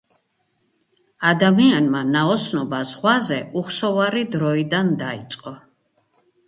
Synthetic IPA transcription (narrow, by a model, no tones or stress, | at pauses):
ad̪amianmanaɔsnɔbazʁwazɛuχsɔvaɾid̪ɾɔid̪and̪aḭt̪sʼqʼɔ